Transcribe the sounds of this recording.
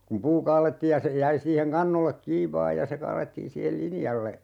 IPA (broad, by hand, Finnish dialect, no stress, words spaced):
kum puː kɑːletːiːj jɑ se jæi siːheŋ kɑnːolːek kiːʋ ʋɑː jɑ se kɑːletːiː siːhel linjɑlːe